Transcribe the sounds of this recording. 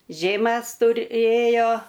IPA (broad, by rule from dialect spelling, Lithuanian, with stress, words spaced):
ˈʒʲeːmʲæs tʊˈrʲeːjoː